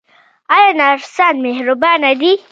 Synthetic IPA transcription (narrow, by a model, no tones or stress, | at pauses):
ajanaɾsanmehɾʊbanad̪i